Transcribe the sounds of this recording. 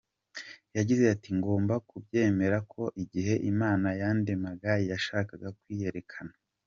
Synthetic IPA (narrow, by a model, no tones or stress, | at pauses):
jaɟize̞atiŋɡo̞ːmbakubɟe̞ːme̞ɾakʰo̞ʔiɟiɦe̞ʔimaːnajaːndemaɡajijaʃaːkaɡakwiːje̞ɾe̞kʰana